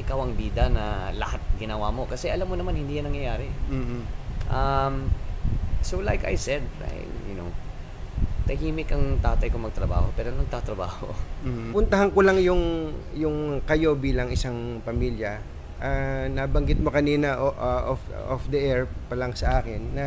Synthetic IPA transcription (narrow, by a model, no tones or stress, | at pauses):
ʔɪkawɐŋbiːd̪ɐnɐ̰lɐ̰hat̪̚ɡɪnɐwamo̞kɐsɛʔɐlamːonɐmanhɪnd̪iːjanːɐŋjɐjaːɾɛː | ʔɐm | sowlajka̰jsɛd̪̚a̰jjʊ̰now | t̪ɐɦiːmɪkɐŋt̪aːt̪ɐjkoŋmɐɡ̚t̪ɾɐba̰ːho̞pɛːɾonɐɡ̚t̪at̪ɾɐba̰ːho̞̰pʊnt̪ɐɦɐnkolaŋjʊŋjʊŋkɐjo̞biːlɐŋɪsaŋpɐmiːljɐ | ʔanabɐŋɡɪt̪̚mo̞kɐniːnɐʔʔʔofofd̪ɐʔɛɹpɐlɐŋsɐʔaːkɪnːɐ